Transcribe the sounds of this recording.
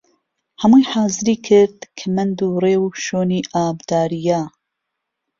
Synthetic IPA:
hɐmujħaːzɨɾiːkʰɪɾd̪kʰamɐnd̪uːreːwʃoːniːʔaːbd̪̥aːɾija

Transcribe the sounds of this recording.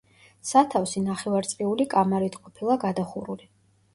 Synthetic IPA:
sat̪ʰafsinaχɛvaɾt̪sʼviulikʼamaɾit̪ʰqʼɔpʰilˠaɡad̪aχuɾuli

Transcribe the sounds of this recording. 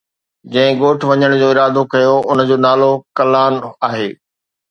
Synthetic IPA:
d͡ʑɐ̃ɦɪ̃ɡoːʈʰʋɐɲəɽ̃d͡ʑoːɪɾaːd̪okɐjoʊnd͡ʑoːnaːlokɐlaːnaːɦeː

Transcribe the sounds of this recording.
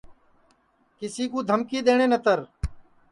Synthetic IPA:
kɪsiːkuːd̪ʱəmkiːd̪eːɳ̃ẽːnət̪əɾ

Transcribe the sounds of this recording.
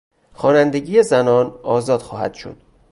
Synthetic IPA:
xɒːnænd̪e̞ɟiːjezænɒːnɒːzɒːd̪̥xɒːhæ̰d̪̥ʃo̰d̪̥

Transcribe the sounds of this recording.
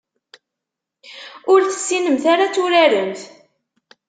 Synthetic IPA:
ʊɾθə̥sːinəmθaɾat͡sːʊɾaɾənθ

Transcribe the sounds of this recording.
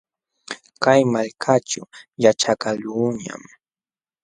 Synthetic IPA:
kajmaʎkʰat͡ʃʊ̰jat͡ʃakaluɲa̰m

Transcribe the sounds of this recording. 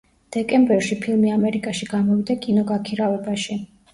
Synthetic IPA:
d̪̥ɛkʼɛmbɛɾʃipʰilˠmiamɛɾikʼaʃiɡamɔvid̪akʼinɔɡakʰiɾavɛbaʃi

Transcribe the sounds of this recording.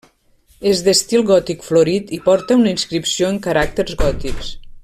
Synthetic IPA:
ezd̪əst̪ilˠɣɔt̪ikfloɾit̪ipɔɾt̪əunəinskɾipsioəŋkəɾak̚t̪əɾzɣɔt̪iks

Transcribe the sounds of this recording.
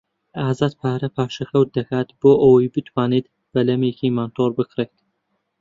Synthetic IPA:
ʔaːzaːt̪pʰaːɾɐpʰaːʃɐxɐwt̪̚d̪ɐkaːt̪boːʔɐwɐjbɨt̪ʰwaːneːt̪ | b̥ɐlɐmeːkimant̪ʰoːɾbɨkʰɾeːt̪

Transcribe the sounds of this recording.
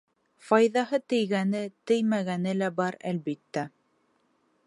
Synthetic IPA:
fɑjðɑɦɤt̪ɘ̆jɡænɘt̪ɘ̆jmæɣænɘlæbɑɾæ̰lbit̪ːæ

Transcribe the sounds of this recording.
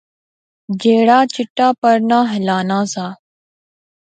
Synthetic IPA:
d͡ʒeːɽaːt͡ʃɪʈːaːpəɾnãːɦɪlaːnãːsaː

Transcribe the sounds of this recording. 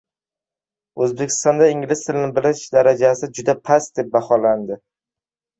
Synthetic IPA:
ɵzbe̞kʲʰɪ̥st̪ɒnd̪aɪŋʲlɪst̪ʰɪlnɪbɪlɪʃd̪aɾad͡ʒasɪd͡ʒʊd̪apʰasd̪e̞p̚bahɒland̪ɪ

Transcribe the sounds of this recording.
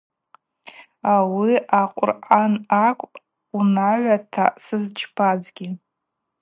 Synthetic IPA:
awiaqʷʼʊ̰rʔanakʷʼpʼ | unaɥʷatʰa̰sɨzt͡ʃʰpʰazɡʲɪ

